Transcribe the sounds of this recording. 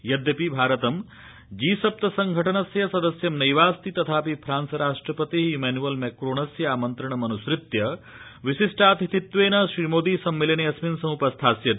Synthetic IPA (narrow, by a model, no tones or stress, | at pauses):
jɐd̪jɐpibʱaːɾɐt̪ɐm | d͡ʒiːsɐp̚t̪ɐsɐŋɡʱɐʈʰɐnɐsjɐsɐd̪ɐsjɐmnɐjʋaːst̪it̪ɐt̪ʰaːpipʰɾaːnsɐɾaːʂʈɾɐpɐt̪iɦumeːnuʋɐlmeːkɾoːɳɐsjɐaːmɐnt̪ɾɐɳ̃ɐmɐnusɾɪt̪jɐ | ʋisisʈʰaːt̪it̪it̪ʋeːnɐʃɾiːmoːd̪isɐmːilɐneɐsminsɐmuːpɐst̪ʰaːsjɐt̪